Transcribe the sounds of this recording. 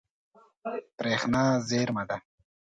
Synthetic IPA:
pɾeːxnaːzeːɾmɐd̪ɐ

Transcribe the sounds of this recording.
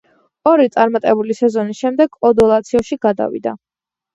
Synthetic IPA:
ɔɾit̪sʼaɾmat̪ʼɛbulisɛzɔnisʃɛmd̪ɛɡɔd̪ɔlˠat̪sʰiɔʃiɡad̪a̰vḭd̪a̰

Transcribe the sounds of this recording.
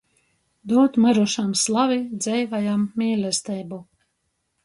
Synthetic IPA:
d̪uɔt̪maɾuʃamslˠavid̪zɛjvajamːiːlʲɛst̪ɛːbu

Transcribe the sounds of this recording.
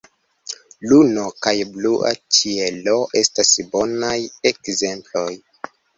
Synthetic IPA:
luno̞kajbluʔa̰t͡ʃielo̞ʔe̞stasbo̞najekze̞mplo̞j

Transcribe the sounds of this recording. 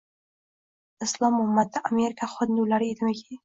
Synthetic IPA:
ɨslˠɒmʊmːat̪ʰːaʔameɾɪkʰaχʊnulaɾɪed̪ɪmɪkʲʰe

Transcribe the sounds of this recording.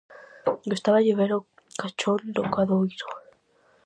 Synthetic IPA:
jost̪aβaʝeβeɾo | kat͡ʃond̪okaðoiɾo

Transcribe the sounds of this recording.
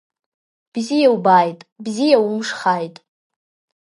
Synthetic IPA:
b̥zijawbajtʼbzijawʊmʂχajtʼ

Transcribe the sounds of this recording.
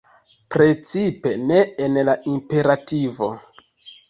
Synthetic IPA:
pɾe̞t͡sipe̞ne̞enlaʔimpe̞ɾativo̞

